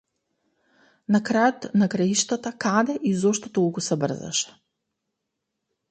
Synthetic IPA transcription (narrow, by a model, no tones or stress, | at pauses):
nakɾajot̪nakɾaiʃt̪at̪akad̪ɛʔizɔʃt̪ɔt̪olˠkusɛbr̩za̰ʃɛ̥